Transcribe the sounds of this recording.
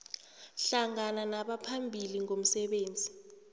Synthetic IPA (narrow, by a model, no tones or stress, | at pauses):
ɬaŋananaɓapʰambʱiliŋom̩sɛɓeːnd͡zʱi